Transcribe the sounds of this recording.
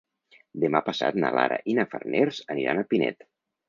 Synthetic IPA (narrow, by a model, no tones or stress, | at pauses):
d̪əmapəsat̪nalaɾəʔinəfərnʔeɾzəniɾanəpinɛ̰t̪